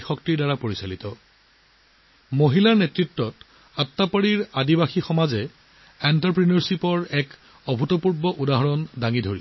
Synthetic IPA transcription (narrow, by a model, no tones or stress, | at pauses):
xɔktiɹdaɹapoɹisalitɔ | moɦilaɹnɛtɹitːɔt | atːapɔɹiɹadibaxixɔmazɛ | ɛntaɹpɹinɔɹsipɔɹɛk | ɔbʱutɔpuɹbɔʔudaɦɔɹɔndaŋidʱoɹi